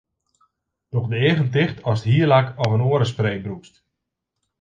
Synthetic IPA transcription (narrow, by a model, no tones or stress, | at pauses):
d̥ɔχdəeːɣəntɪxtʰɔsthiːəlakɔfənoəɾəs̬preːbrukst